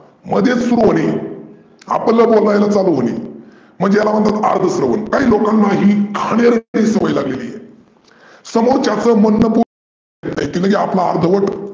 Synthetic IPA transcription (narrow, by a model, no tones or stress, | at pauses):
məd̪ʱjet͡ssuɾuɦoɽ̃i | a̰pəlːəbolɳajlat͡saluɦoɽ̃ḭ | m̤əɳd͡zejalaʋ̤əɳt̪at̪a̰ɾd̪ʱəsɾəʋə̰nkaɦiːlokanːaɦiːkʰəɽ̃eɾɽiːsəməjlaɡlelḭje | səmoɾt͡ɕat͡səmənːəpuɾ | et̪ajk̪iːnəɡeapla̰ːɾd̪ʱəʋəʈ